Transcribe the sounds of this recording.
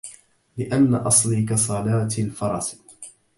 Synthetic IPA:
lɪʔanːaʔɑsˤlikasˤɑlaːt̪alfɑɾˤɑs

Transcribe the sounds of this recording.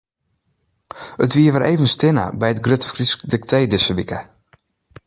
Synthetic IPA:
ətʋiːəʋəɾʔeːvənstɪnə̰bɛjət̚ɡrøtəfriskdɪktʰeːdɪsəʋikə

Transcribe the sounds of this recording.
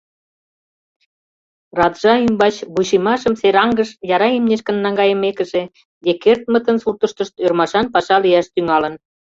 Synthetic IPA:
rɑd̪ʒ̥ɑymbɑt͡ɕβuʃimɑʃəmseɾɑŋɡəʃjɑɾɑemneʃkənːɑŋɡɑjə̆mekə̆ʒe | d̪ekert̪̚mə̆t̪ənsurt̪əʃt̪əʃt̪ørmɑʃɑnpɑʃɑlijɑʃt̪yŋɑlə̆n

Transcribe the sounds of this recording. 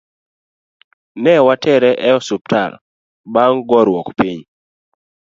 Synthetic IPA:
nɛwatɛɾɛʔɛɔsup̚ta̰ɾ | baŋɡɔɾwɔkpiɲ

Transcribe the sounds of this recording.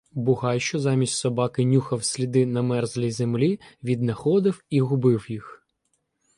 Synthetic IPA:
bʊɦɑjʃt͡ʃɔzɑmʲisʲtʲsɔbɑkɪnʲuxɐwsʲlʲid̪ɪnɐmɛrzlʲijzemlʲiʋʲid̪nɐxɔd̪ɪwiɦʊbɪwjix

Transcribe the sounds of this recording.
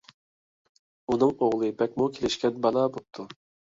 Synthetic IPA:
unɨŋoʁlˠɨbɛk̚ʲmukʲʰelɪʃkʲɛnbɑnˠɑbop̚t̪ʰu

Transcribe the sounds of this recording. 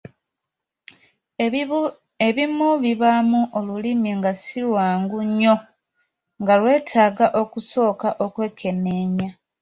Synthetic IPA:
eβimuβiβamuʔolulimeŋɡasilwaːŋɡuɲːo̞ | ŋɡalwe̞ːtʰaːɡaʔo̞kuso̞ːkaʔo̞kwe̞ːkʰe̞neːɲa

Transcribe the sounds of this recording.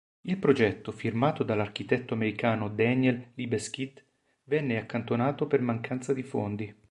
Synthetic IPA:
ilpɾod͡ʒɛt̪ːofirmaːt̪od̪alːark̟it̪ɛt̪ːoameɾikaːnod̪ɛnjɛlːibeskit̪ | vɛnːeakːant̪onaːt̪opermaŋkant̪sad̪ifond̪i

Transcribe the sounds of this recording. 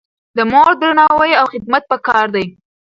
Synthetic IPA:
d̪əmoɾd̪ɾanɑwajawxɪd̪̚mat̪̚pəkɑɾd̪aj

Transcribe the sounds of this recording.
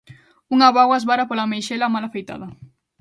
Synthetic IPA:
uŋaβawazβaɾapolamejʃelamalafejt̪a̰ðɐ

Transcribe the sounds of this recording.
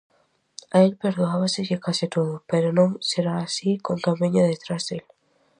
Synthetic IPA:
aelpeɾðoaβasekekasit̪oðopeɾonõŋseɾaːsikoŋt̪amẽɲaðet̪ɾazðel

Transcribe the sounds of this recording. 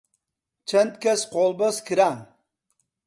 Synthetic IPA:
t͡ʃʰɐnt̪̚kʲɐsqʰolˠbəskʰʲiɾaŋ

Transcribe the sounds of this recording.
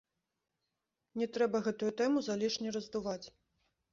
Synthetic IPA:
nʲɛt̪ɾɛbɐɣɛt̪ujut̪ɛmuzalʲiʂnʲɛɾɐzd̪uvat͡sʲ

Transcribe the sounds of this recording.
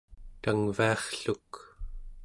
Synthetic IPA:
t̪aŋviɑχɬuk

